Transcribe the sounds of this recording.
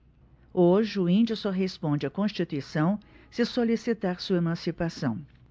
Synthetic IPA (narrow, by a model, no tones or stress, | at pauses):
oʒɪʊĩnd͡ʒɪsoɦespõd͡ʒɪakõst͡ʃit̪uisɐ̃w̃ | sɪsolisit̪aɾsuɐemɐ̃sipasɐ̃w̃